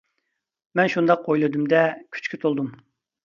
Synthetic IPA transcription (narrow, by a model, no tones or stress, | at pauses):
mɛnʃund̪ɑq̚ʰojlˠɨd̪umd̪ɛkʲʰy̥t͡ʃkʲyt̪ʰolˠd̪um